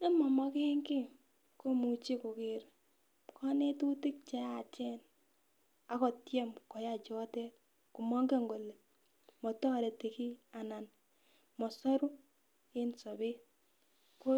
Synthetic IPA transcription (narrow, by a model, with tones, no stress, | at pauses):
ne˦mɔ˨mɔ˦ke˦ŋkɪ˦ | ko˦mu˨t͡ʃi˦ko˨ke˨ɾ | kʰɔ˦ne˦tu˦tɪ˦k̚t͡ʃɛ˦a˨t͡ʃɛ˦n | a˨kɔ˨tjɛ˦mkɔ˨ja˦˨t͡ʃɔ˦tɛ˦t̚ | ku˨mɔ˦ŋɡe˦ŋɡo˨le˨ | mɔ˨tɔ˦ɾe˨te˨ki˦a˨na˨n | mɔ˨sɔ˦ɾu˦ | e˦nso˨be˦ | ko˦